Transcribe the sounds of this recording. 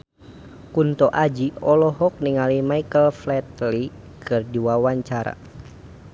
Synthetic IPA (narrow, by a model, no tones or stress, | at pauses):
kunt̪ɔʔad͡ʒiɔlɔɦɔk̚niŋalimaikəlflɛt̪li | kʰɨrdiwawaɲt͡ʃaɾa̰